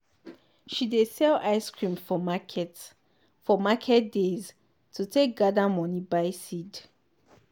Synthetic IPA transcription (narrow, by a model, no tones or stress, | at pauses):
ʃidesɛlaɪskɹĩmfɔmakʰɛt | fɔmakʰɛt̚dez | tʰutʰek̚ɡadamɔ̃nibaɪsid